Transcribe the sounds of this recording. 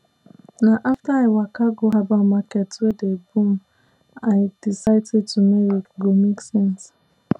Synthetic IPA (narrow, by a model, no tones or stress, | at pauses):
naʔaftaawakaɡoɦabamakɛtwedebũm | aɪd̥isaɪted̚tumeiɡomeksɛ̃ns